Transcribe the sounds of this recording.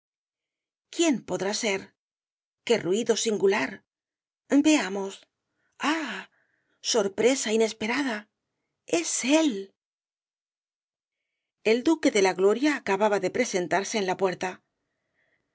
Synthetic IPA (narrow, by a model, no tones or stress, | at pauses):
kje̞mpo̞ðɾase̞ɾ | ke̞rwiðo̞siŋɡulaɾ | be̞amo̞s | a | so̞ɾpɾe̞saine̞spe̞ɾaða | e̞se̞l | e̞ld̪uke̞ðe̞laɣlo̞ɾjaːkaβaβaðe̞pɾe̞se̞nt̪aɾse̞ːnlapwe̞ɾt̪a